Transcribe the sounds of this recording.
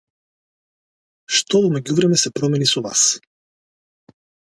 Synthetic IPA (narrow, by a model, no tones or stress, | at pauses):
ʃt̪ɔvɔmɛɟuvɾɛmɛsɛpɾɔmɛnisɔva̰s